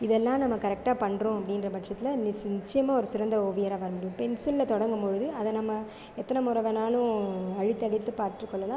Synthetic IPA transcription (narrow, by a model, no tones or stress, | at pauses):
ɪðɛlːãːnɐmːɐkɐɾɛk̚ʈaːpɐɳːɾõːɐpːɐɽɪnrɐbɐʈʂɐt̪ːɪlɐnɪsnɪt͡ʃːɐjɐmãːɔɾɯsɪɾɐnd̪ɐɔʋɐjɐɾaːʋɐːɾɯmɐɽũpɛnsɪlːɐt̪ɔɽɐŋɡɐmpɔɻɯðɯɐðɐnɐmːɐ | ɛt̪ːɐnɐmʊɾɐʋɛnaːlʊ̃ɐɻɪt̪ːɐɽɪt̪ːɯpaːɾʈɾɯkːɔɭːɐlãː